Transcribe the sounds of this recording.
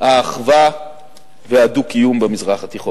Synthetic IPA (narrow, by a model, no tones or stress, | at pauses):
haːχva | veadukijumbemizʁaχat̪iχo